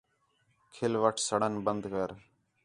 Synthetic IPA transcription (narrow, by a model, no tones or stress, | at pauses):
kʰɪlʋəʈʰsəɽənbənd̪kəɾ